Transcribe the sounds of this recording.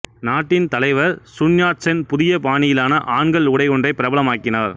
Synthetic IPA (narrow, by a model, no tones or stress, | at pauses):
naːʈːɪnt̪ɐlɐɪʋɐɾsʊnjaːʈt͡ʃɐnpʊðɪjɐpaːnɪjɪlaːnɐʔaːɳɡɐɭʊɽɐɪɔndrɐɪpːɪɾɐbɐlɐmaːkːɪnaːɾ